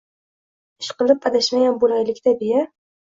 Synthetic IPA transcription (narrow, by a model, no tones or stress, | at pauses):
ɪʃqɨlˠɪpːad̪aʃmajʲanbolajlɪkʲt̪ʰabɪja